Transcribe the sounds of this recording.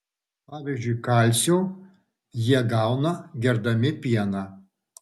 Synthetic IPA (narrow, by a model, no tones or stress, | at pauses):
pɑːʋʲiːzʲd͡ʒʲʊɪkɐˑlʲsʲoː | jiɛɡɑˑʊnɐɡʲɛɾd̪ɐmʲɪpʲiɛnɑ